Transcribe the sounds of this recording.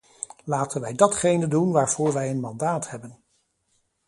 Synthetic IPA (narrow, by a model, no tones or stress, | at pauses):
laːtənʋɛjdɑtχejnədunʋaːɹv̥ʊːɹʋɛjənmɑndaːthɛbən